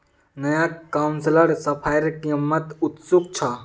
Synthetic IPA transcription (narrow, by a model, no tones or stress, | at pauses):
nɐjakːawnsləɽsəpʰajɾkimːət̪ut̪suk̚t͡ʃʰa